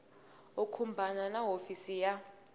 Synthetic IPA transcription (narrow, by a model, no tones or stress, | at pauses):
ukʰumbʱananaɦofisija